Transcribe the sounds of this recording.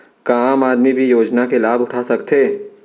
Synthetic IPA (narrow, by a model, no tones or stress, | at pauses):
kaːmaːd̪mibʱijoːd͡ʒnakelaːbʊʈʰasɐkt̪ʰeː